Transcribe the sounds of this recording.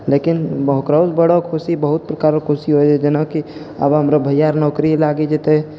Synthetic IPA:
leːkɪnbəɦkɾasbəɽokʰusibəɦʊt̪̚pɾəkaːɾokʰusiɦod͡ʒɛd͡ʒenaki | ə̰bɦəmɾabʱəjjaːɾnɔːkɾilaːɡed͡ʒet̪eɦɛ

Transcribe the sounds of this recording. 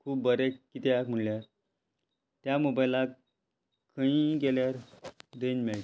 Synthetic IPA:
kʰuːbbəɾekːit̪eakm̤əɳljaɾ | t̪jamubajla | kəĩɡeljaɾdenmɛɭʈ

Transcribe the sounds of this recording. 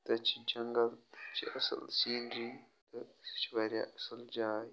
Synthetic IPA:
t̪ɐt͡ʃi̥d͡ʒɐŋɡɐlt͡ʃḭʔɐsɐ̰lsinɾi | tɐ̥t͡ʃibɐɾʲa̰ʔɐsɐld͡ʒaːj

